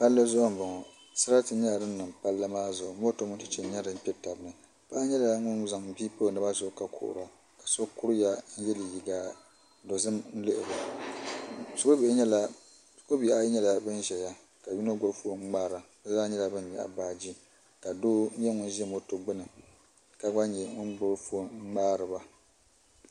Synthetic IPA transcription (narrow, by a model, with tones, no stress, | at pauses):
pa˦lːɨ˦zʊ˦ʔʊ˦m̩˦bʊ˨ŋɔ˨ | sɨ˦ɾa˦tɨ˦ɲɛ˦la˨dɨ˦n̩ː˦ɨ˨mpa˦lːɨ˦maː˦zʊ˨ʔʊ˨mo˦to˦mʊ˦ntɨ̥˦t͡ʃɛ˨˦ɲɛ˦dɨ˦m˦pʲɛ˦ta˨bɨ˦nɨ˨ | paː˦ɲɛ˦la˨ŋʊ˦nza˨ŋbiː˦po˦˨nɨ˦ba˦zʊ˨ka˨kʊ̰˨ʔʊ̰˨ɾa˨ | ka˨so˦kʊ˦ɾja˦n̩˦jɛ˦li˨ji˨ɡaː˦ | do˨zɨ˦mn̩˦lɨ˦ʔɪ˨ba˨ | sʊ˦ko˦be˨˦ɲɛ˦la˦ | sko˦bi˨a˦ɲɛ˦la˨bɨ˦n˦ʒɛ˨ja˦ | ka˨wi˦na˦ɡo˦fu˦o˦ŋ͡m̩˦maː˦ɾa˨˦a˦ɲɛ˦la˨bɨ˦n˦ɲɛ˨ʔa̰˨baː˦d͡ʒi˦ | ka˨doː˦ɲ˦ɛ˦ŋʊ˦n˦ʒɛ˦mo˦to˨ɡ͡bɨ˦nɨ˨ | ka˨ɡ͡ba˦ɲɛ˨ŋʊ˦nɡ͡bo˦fu˦o˦maː˦ɾɨ˨ba˦